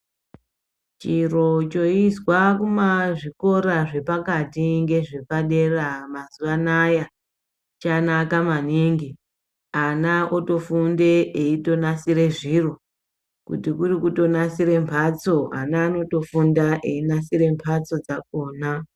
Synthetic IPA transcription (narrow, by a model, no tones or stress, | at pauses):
t͡ʃiro̞t͡ʃo̞izwakumaʐiko̞ɾaʐe̞pakatiŋɡe̞ʐe̞paɗe̞ramazuʋanaja | t͡ʃanakamaniŋɡi | anaʔoto̞funde̞eito̞nasiɾe̞ʐiro̞ | kṵtikurikuto̞nasiɾe̞mpʰat͡so̞a̰naːno̞to̞fundaʔeinasiɾe̞mpʰat͡so̞d͡zak̚o̞ːna